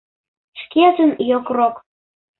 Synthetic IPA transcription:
ʃkʲet̪ənjokrok

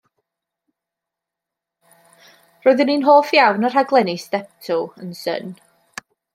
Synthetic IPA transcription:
rɔːɨðəninɦoːfjawnər̥haɡlˠɛnɪsdɛp̚tʰʊənsə̰n

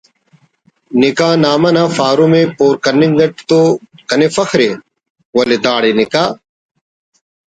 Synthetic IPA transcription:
nikãːnaːmɐnaːfaːɾumẽːpoːɾkɐnːĩŋɡɐʈt̪oːkɐnefɐxʰɾe | wɐled̪aːɽenɪkaː

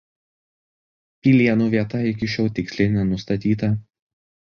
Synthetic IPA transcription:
pʲiːlʲiɛnuːʋʲiɛt̪ɐɪkʲɪʃʲɛʊt̪ʲɪksʲlʲeɪnʲɛnʊst̪ɐt̪ʲiːt̪ɐ

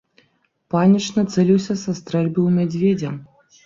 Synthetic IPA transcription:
panʲit͡ʂnɐt̪sɛlʲiwsʲɐsast̪ɾɛlʲbɨwmʲad͡zʲvʲed͡zʲɐ

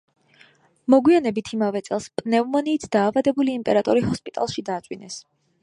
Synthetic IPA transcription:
mɔɡwianɛbit̪ʰimavɛt̪sʼɛlˠspʼnɛvmɔniːt̪ʰd̪̥aːvad̪ɛbuliːmpʼɛɾat̪ʼɔɾihɔspʼit̪ʼa̰lˠʃid̪aːt̪t͡ʃ̪ʼwinɛs

